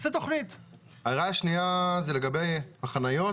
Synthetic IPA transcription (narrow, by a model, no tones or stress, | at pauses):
zet̪oχnit̪ | aʁaaʃniazeleɡabejmaχanajo̞